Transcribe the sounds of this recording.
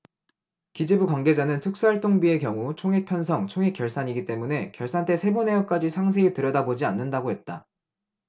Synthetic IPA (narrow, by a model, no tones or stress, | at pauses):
kid͡ʑebukwaŋɡe̞d͡ʑanɯntʰɯk̚s͈uaɭt͈oŋbie̞kjʌŋut͡ɕʰoŋɦe̞k̚pʰjʌnsʰʌŋt͡ɕʰoŋɦe̞k͈jʌɭs͈aɲiɡit͈e̞mune̞kjʌɭs͈ant͈e̞sʰe̞bone̞jʌkk͈ad͡ʑisʰaŋs̬ʰe̞itɯɾjʌdabod͡ʑianːɯndaɡoɦe̞t̚t͈a̰